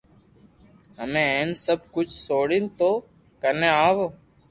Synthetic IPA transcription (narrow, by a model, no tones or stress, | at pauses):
ɦəmẽːɦeːnsəb̚kʊt͡ʃʰsoːɽint̪oː | kəneːaːʋoː